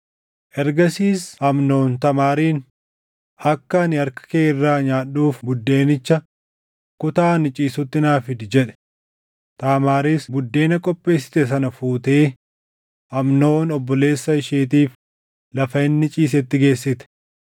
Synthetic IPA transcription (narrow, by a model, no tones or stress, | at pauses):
ʔɛɾɡɐsiːshɐmno̞ːnt̪ɐmaːɾiːn | ɐkːɐnɪɐɾkɐ̥keːɪrːaːɲaːɗuːfbʊd̪ːe̞ːnɪt͡ʃːɐ | kʊt̪aːnɪt͡ʃʼiːsʊt̪ːɪnaːfɪd̪ɪd͡ʒɛᶑɛ̥ | t̪aːmaːɾiːsbʊd̪ːe̞ːnɐkʼɔpʼːe̞ːsːɪ̥t̪ɛs̬ɐnɐfuːt̪eː | ɐmno̞ːnɔbːɔle̞ːsːɐɪʃeːt̪̬iːf | lɐfɐɪnːɪt͡ʃʼiːs̬ɛt̪ːɪɡe̞ːsːɪt̪ɛ̥